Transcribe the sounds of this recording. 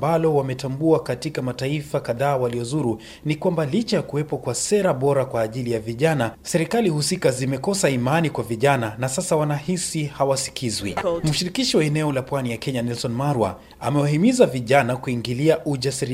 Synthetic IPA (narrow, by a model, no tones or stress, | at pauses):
mbalɔwamɛtambuakatikamataifakaðaːwaliɔzuɾu | nikwambalit͡ʃajakuwɛpɔkwasɛɾaɓɔɾakwaːʄilijaviʄanasɛɾikalihusikazimɛkɔsaimanikwaviʄananasasawanahisihawasi̥kʰizwḭm̩ʃiɾikiʃiwaɛnɛɔlapwanijakɛɲanɛlsɔnmaɾua̰ | a̰mɛwaɦimizaviʄanakuiŋɡiliaʔuʄasiɾ